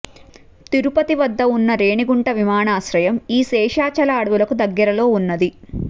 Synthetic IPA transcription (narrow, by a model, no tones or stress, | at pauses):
t̪iɾupɐt̪iʋɐd̪ːɐunːɐɾeːɳiɡuɳʈɐʋimaːɳaːsɾɐjɐmiːsɛːʃaːt͡ʃɐlaːɽɐʋulɐkud̪ɐɡːɐɾɐlo̞ːunːɐd̪i